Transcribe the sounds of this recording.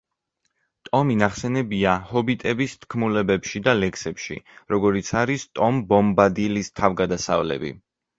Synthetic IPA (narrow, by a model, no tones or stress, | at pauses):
t̪ʼɔminaχsɛnɛbiahɔbit̪ʼɛbist̪ʰkʰmulɛbɛpʃid̪alɛkʰsɛpʃḭɾɔɡɔɾit̪sʰaɾist̪ʼɔmbɔmbad̪ilist̪ʰavɡad̪asa̰vlɛ̰bḭ